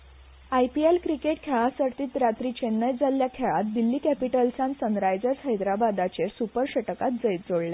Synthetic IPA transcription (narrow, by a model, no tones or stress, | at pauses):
ajpielkɾikeʈ̚kʰeɭãsəɾt̪iːt̪ɾat̪ɾiːt͡ɕenːəjd͡zaljakʰeɭat̪̚d̪ilːiːkæpiʈəlsãnsənɾajd͡zəɾsɦəjd̪ɾabad̪at͡ɕeɾsupəɾɕəʈəkat̪̚d͡zəjt̪d͡zoɽle